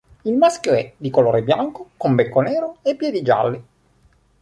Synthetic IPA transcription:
ilmaskjoɛd̪ikoloːɾebjaŋkokombekːonɛːɾoepːjɛːd̪id͡ʒa̰lːi

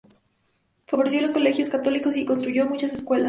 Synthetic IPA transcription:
faβo̞ɾes̬jo̞losko̞le̞xjo̞skat̪o̞liko̞s̬ikonst̪ɾuʝo̞mut͡ʃaseskwe̞la

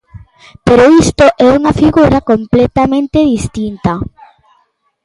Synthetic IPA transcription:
peɾoist̪oʔɛuŋɐfiɣuɾakomplɛt̪amẽnt̪eðist̪int̪a

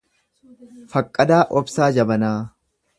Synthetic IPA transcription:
fɐkʼːɐd̪aːʔɔbsaːd͡ʒɐbɐnaː

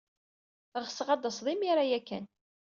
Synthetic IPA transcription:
əɾʁəsəʁɑd̪əsˤðˤimiɾajækːæ̰n

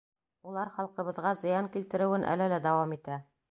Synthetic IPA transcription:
ulˠɑɾχɑlˠqɤ̆βɤ̆ðʁɑzɤ̆jɑŋkilt̪ɘ̆ɾɘ̆wɘnʔæ̰lɘlæd̪ɒwɑmit̪æ

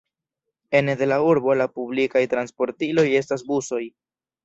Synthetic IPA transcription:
e̞nde̞lauɾbo̞lapublikajtɾanspo̞ɾtilo̞je̞stas̬buso̞j

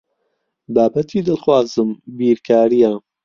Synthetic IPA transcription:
baːbɐt̪ʰiːd̪ɨlxwaːzɨmbiːɾkʰaːɾija

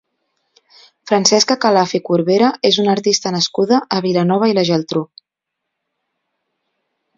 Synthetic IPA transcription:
fɾənsɛskəkalafikuɾβeɾəezunəɾt̪ist̪ənəskuðəʔːβilanɔβ̞əiləʒɛlˠt̪ɾu

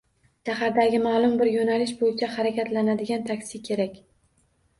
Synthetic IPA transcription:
ʃahaɾd̪aɡʲɪmalˠʊmbɪɾjonalɪʃ̬bojɪt͡ʃʰahaɾakʲʰat̪lanad̪ɪɡʲant̪ʰakʲsɪkʲʰe̞ɾakʲ

